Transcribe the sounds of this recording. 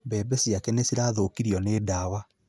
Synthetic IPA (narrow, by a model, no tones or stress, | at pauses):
bɛbɛsiakɛnesiɾaːðoːkiɾiɔneːdaːwa